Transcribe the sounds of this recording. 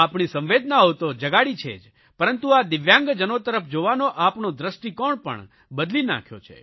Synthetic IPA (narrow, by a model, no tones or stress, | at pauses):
apɳisə̃mʋed̪naot̪od͡ʒəɡaɽit͡ʃʰḛd͡ʒ | pəɾənt̪uad̪ɪʋjãŋɡd͡ʒənot̪əɾəpʰd͡ʒoʋanoʔapnod̪ɾəsʈikɔɳpə̰ɳ | bəd̪lina̰kʰjo̰t͡ʃʰḛ